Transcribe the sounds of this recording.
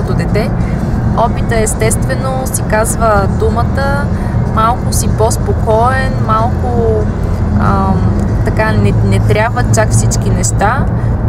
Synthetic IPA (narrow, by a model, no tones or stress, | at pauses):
t̪od̪ɛt̪ɛ | ɔpit̪əɛst̪ɛst̪vɛnosikazvəd̪umət̪ə | malˠkʊsipɔspokɔɛnmalˠkʊ | ə | t̪ɐkanɛnɛt̪ɾʲabvət͡ʃakfsit͡ʃkinɛʃt̪a